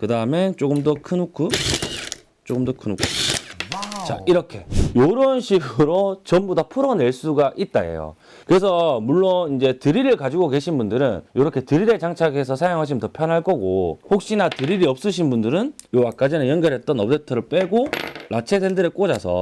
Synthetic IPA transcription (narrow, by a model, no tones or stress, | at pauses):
kɯdaɯme̞t͡ɕ͈oɡɯmdʌkʰɯnokʰu | t͡ɕ͈oɡɯmdʌkʰɯnukʰu | t͡ɕa̰iɾʌkʰe̞joɾʌnɕʰiɡɯɾot͡ɕʌmbodapʰuɾʌne̞ɭs͈uɡaʔit̚t͈aḛjo̰ | kɯɾe̞sʰʌmuɭːonind͡ʑe̞tɯɾiɾɯɭkad͡ʑiɡoke̞ɕʰinbundɯɾɯnjoɾʌkʰe̞tɯɾiɾe̞t͡ɕaŋt͡ɕʰaɡe̞s̬ʰʌsʰajoŋɦaɕ̬ʰimɯntʌpʰjʌnɦaɭk͈ʌɡohok̚ɕ͈inatɯɾiɾiʌp̚s͈ɯɕ̬ʰinbundɯɾɯnjowak͈ad͡ʑinɯjʌnɡjʌɾɦet̚t͈ʌnʌp̚detʰʌɾɯɭp͈eɡolat͡ɕʰe̞sʰendɯɾek͈od͡ʑasʰʌ̰